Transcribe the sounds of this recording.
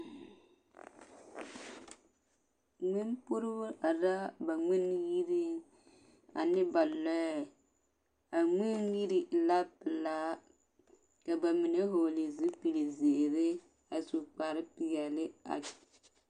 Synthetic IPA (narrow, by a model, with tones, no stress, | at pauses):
ŋi˦mpu˦ɾbʊ˦ʔa˨da˦ba˨ŋi˦n˦ji˦ɾi˦ | a̰˨nɪ˦ba˨lɔ˦ɛ˨ | a˨ŋi˦nji˦ɾi˦˨la˦pɪ˨la˦ | ka˨ba˨mi˨ne˦ɦo˨li˨zi˦pi˨li˨ze˨ɾɪ˦ | a˨su˨k͡pa˨ɾɪ˦pi˨jɛ˨lɪ˦a̰˨